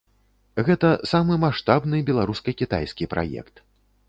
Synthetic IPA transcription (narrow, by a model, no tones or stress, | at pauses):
ɣɛt̪ɐsamɨmaʂt̪abnɨbʲɛlˠaɾuskɐkʲit̪a̰jskʲipɾʔa̰jɛ̰kt̪